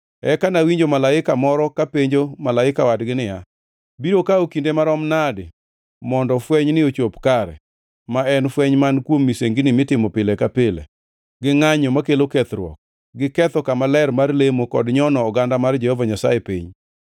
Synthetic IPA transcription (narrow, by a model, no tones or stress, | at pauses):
ɛkanawiɲd͡ʒomalaɪkamɔɾɔkapeɲd͡ʒomalaɪkawadɡɪnɪja | biɾokaokindemaɾɔmnadɪ | mɔndɔfwɛɲnɪot͡ʃopkaɾɛ̰ | maɛnfwɛɲmankwomːiseŋɡɪnɪmɪtɪmɔpɪlɛkapelɛ̰ | ɡɪŋaɲɔmakelokɛt̪ɾwɔ̰k̚ | ɡɪkɛt̪ɔkamalɛrmarlemokɔ̰dɲɔnɔːɡandamard͡ʒɛhɔvaɲasa̰jepḭɲ